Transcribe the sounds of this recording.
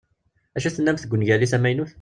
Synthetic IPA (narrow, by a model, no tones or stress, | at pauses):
æʃæθənːæmθəɡʷːənʝæliθæmæjnuθ